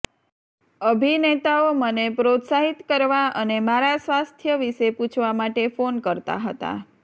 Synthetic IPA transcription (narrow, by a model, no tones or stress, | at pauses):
əbʱinet̪aomənepɾot̪saɦit̪kəɾʋaʔənemaɾasʋast̪ʰjəʋiʃeput͡ʃʰʋamaʈefonkəɾt̪a̰ɦət̪a̰